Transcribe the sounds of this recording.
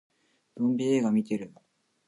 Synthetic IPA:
d̪̥õmbʲieːɡamʲit̪e̞ɾɯ̟

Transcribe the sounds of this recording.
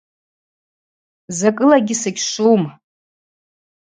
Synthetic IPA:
zakʼɨlaɡʲɪsɨkʲʂum

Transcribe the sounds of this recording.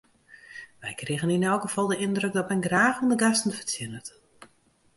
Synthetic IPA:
ʋɛjkrɪɣəninɛlˠkɡəv̥ɔlˠdəɪndrøk̚dɔtmɛjnɡraːxundəɡastn̩fətt͡sjɪnət

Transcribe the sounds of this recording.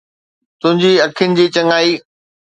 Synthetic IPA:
t̪ʊ̃ɦɪ̃ɲd͡ʑiɐkʰɪjʊnɪ̆d͡ʑiːt͡ɕɐŋaːiː

